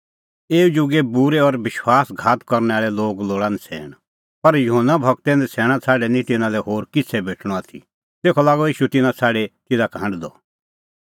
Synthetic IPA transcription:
eːud͡ʒʊɡebuɾɛɔɾʋɪʃwaːsɡʱaːt̪kɔɾnɛaːɭɛloːɡloːɽãːnɛt͡sʰɛ̰ːɽ̃ | pɐɾjʊɦənːabʱɐkt̪ɛ̃ːnd̪ɛt͡sʰɛːɽ̃at͡sʰaːɖɛnĩt̪ɪnãlɛɦoːɾkɪt͡sʰɛbeːʈʰɽ̃ɔ̃aːt̪ʰḭ | t̪eːkʰɔlaːɡɔiːʃut̪ɪnãt͡sʰaːɽet̪ɪd̪akãːɳɖd̪ɔ

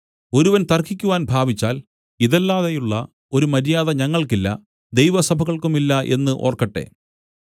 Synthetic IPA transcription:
o̞ɾuʋɐnt̪ɐrkʰːikʲːuʋaːnbʱaːbit͡ɕːaːl | iðɐlːaːðɐjuɭːɐ | o̞ɾumɐɾijaːðɐɲɐŋːɐɭkilːɐ̰ | d̪ejʋɐsɐbʱɐɣɐɭkumilːɐʔe̞nːɨʔo̞̰ːrkɐʈːe̞̰

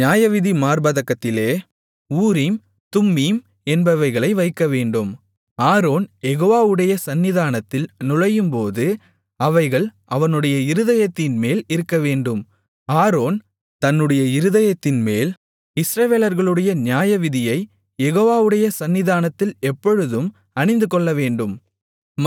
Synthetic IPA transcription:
njaːjɐʋɪðimaːɾbɐðɐkːɐt̪ːɪleː | uːɾim | t̪ʊmːim | ɛnbɐʋɐɪɣɐɭɐɪʋɐɪkːɐʋeːɳɖɯm | aːɾoːnjɛɣoːʋaːʋɯɽɐjɐsɐnːɪðaːnɐt̪ːɪlnʊɻɐjɯmpoːðɯ | ɐʋɐɪɣɐɭʔɐʋɐnɯɽɐjɐɪɾɯðɐjɐt̪ːɪnmeːlɪɾɯkːɐʋeːɳɖɯm | aːɾoːn | t̪ɐnːɯɽɐjɐɪɾɯðɐjɐt̪ːɪnmeːl | ɪsɾɐʋeːlɐɾɣɐɭɯɽɐjɐnɪjaːjɐʋɪðɪjɐɪ | jɛɣoːʋaːʋɯɽɐjɐsɐnːɪðaːnɐt̪ːɪlɛpːɔɻɯðɯm | ɐɳɪnd̪ɯkɔɭːɐʋeːɳɖɯm

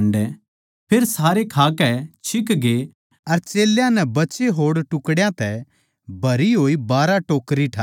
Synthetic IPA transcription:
ɳɖɛ | pʰeːɾsaːɾekʰaːkɛt͡ʃʰɪkɡe | ɐɾt͡ʃeːljãnɛbɐtːt͡ʃeɦoːɽʈʊkɽjãt̪ɛ | bʱɐɾiɦoːibaːɾaʈoːkɾiʈʰaː

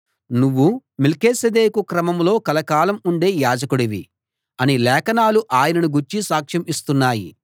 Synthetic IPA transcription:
nuʋːumelkeːsɐd̪eːkukɾɐmɐmlo̞ːkɐlɐkaːlɐmuɳɖe̞ːjaːd͡ʒɐkuɽiʋḭ | ɐnilɛːkɐnaːluʔaːjɐnɐnuɡuɾt͡ʃisaːkʂɐmist̪unːaːjḭ

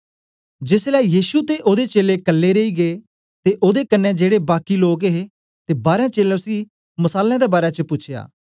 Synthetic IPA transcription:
d͡ʒɪslɛːjiːʃut̪eʔoːd̪et͡ʃeːlekəlːeɾeiːɡeː | t̪eʔoːd̪ekənːɛ̃d͡ʒeːɽebaːkiloːkɦe | t̪ebaːɾjãːt͡ʃeːleʊsiː | məsaːljãːd̪ebaːɾet͡ʃəpʊːt͡ʃʰja̰ː

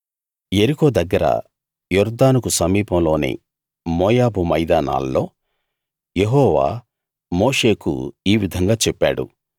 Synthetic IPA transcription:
eɾikoːd̪ɐɡːɐɾɐ̰ | jɔɾd̪aːnukusɐmiːpɐmlo̞ːnḭ | mɔːjaːbumɐjd̪aːna̰ːlːo̞̰ː | jeɦɔːʋa̰ː | mo̞ːʂe̞ːkṵiːʋid̪ʱɐŋɡaːt͡ʃɛpːa̰ːɽṵ

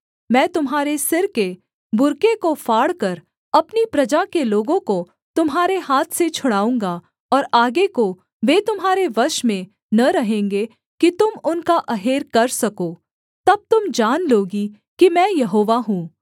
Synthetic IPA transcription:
mɛ̃ːt̪ʊmɦaːɾesɪɾke | bʊɾkekofaːɽkɐɾ | ɐpnipɾɐd͡ʒakeloːɡõko | t̪ʊmɦaːɾeɦaːt̪ʰset͡ʃʰʊɽaːũːŋɡa | ɔːɾaːɡeko | ʋeːt̪ʊmɦaːɾeʋɐɾʃmẽ | nɐɾɐɦẽːŋɡe | kit̪ʊmʊnkaʔɐɦeːɾkɐɾsɐkoː | t̪ɐb̚t̪ʊmd͡ʒaːnloːɡi | kimɛ̃ːjɐɦoːʋaɦũː

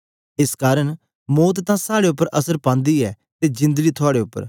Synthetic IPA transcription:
ɪskaːɾəɽ̃ | mɔːt̪t̪ːãsaːɽeʊpːəɾʔɐsəɾpãːnd̪iɛː | t̪ed͡ʒɪ̃nd̪əɡit̪ʰʊaːɽeʊpːə̰ɾ

